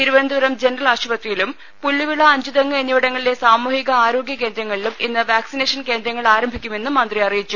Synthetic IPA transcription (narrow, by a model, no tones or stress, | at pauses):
t̪iɾuʋɐnd̪uʋɐɾɐmd͡ʑe̞nɐrɐlaːɕubɐt̪rijilum | pulːiʋiɭːɐːɲd͡ʑuðɐŋːɐenːjuʋɐɽɐŋːɐɭile̞saːmuːhiɣɐaːɾo̞ːɡjɐke̞ːnd̪ɾɐŋːɐɭiluminːɨʋaːksine̞ːʂɐnke̞ːnd̪ɾɐŋːɐɭaːɾɐmbʱikʲːume̞nːɨmːɐnd̪riɐrijit͡ɕːu